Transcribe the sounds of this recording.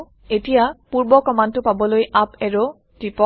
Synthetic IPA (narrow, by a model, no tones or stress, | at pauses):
etijapuɹbɔkɔmantʊpabɔlojapɛɹo | tipɔ